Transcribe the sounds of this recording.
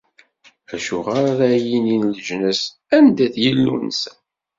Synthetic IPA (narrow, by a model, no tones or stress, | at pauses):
æʃuʁaɾaɾæjininləʒnəs | ænd̪æθjəlːṵns